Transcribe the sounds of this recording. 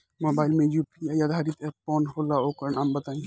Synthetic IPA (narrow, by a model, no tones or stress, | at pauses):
moːbaːɪlmẽjupijajad̪ʱaɾit̪ɛp̚ːoːnholaoːkəɾnambɐt̪aːĩ